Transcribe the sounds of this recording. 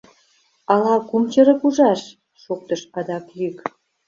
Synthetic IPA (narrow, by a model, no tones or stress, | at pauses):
ɑlɑkumt͡ɕəɾə̆kuʒɑʃ | ʃok̚t̪əʃpɑd̪ɑklyk